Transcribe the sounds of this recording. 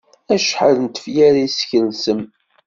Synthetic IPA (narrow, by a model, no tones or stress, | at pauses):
æʃħəɾnt̪ə̥fjaɾaisçəɾlsəm